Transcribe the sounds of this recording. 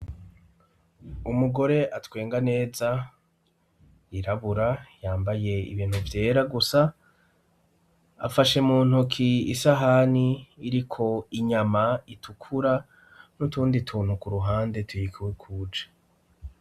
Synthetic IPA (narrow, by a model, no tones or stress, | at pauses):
umuɡo̞ɾe̞ʔatwe̞ːŋɡane̞ːza | iɾaβuɾajaːmbaje̞ḭβiːn̥huvje̞ːɾaɡusa | a̰faʃe̞muːn̥hukʰiːsaɦaniːɾikʰo̞iɲamaitʰukʰuɾa | nutuːnditʰuːn̥hukuɾuɦaːnde̞tujikwekʰuːd͡ʒḁ